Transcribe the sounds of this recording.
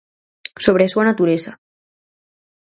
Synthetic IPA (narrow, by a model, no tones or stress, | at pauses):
soβɾeswanat̪uɾɛza